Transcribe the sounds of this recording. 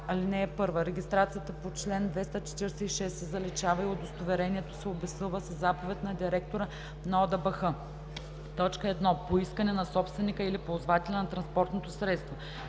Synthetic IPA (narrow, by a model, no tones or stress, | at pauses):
ɐlinɛːpɤɾvəɾɛɡʲist̪ɾat̪sijət̪əpot͡ʃlɛnd̪vɛst̪ət͡ʃɛ̥t̪iɾɛsɛiʃɛsːɛzɐlɛt͡ʃavɐiod̪ost̪ovɛɾɛniɛt̪o̥sɛobɛsɤlˠvəsəzːapovɛt̪nɐd̪iɾɛk̚t̪oɾə | nɐɔd̪ɐbəxɤ | t̪ɔt͡ʃkəɛd̪nɔpoiskənɛnɐsɔpst̪vɛnikəilipozvat̪ɛlʲɐnɐt̪ɾɐnspɔɾt̪not̪osɾɛt̪st̪vo